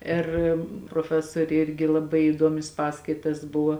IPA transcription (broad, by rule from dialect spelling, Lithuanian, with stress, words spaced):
ˈɪr proːˈfʲæːsoːrʲeː ˈɪrʲɡʲɪ lˠɐˈbɐɪ iːˈduɔmʲɪs ˈpɑːskɐɪtɐs ˈbʊʋoː